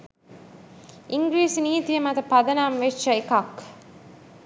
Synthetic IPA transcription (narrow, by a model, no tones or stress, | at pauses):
ɪŋɡɾiːsniːt̪ːijɐmɐt̪ɐpɐðɐnaːmʋest͡ʃɐɪkaːk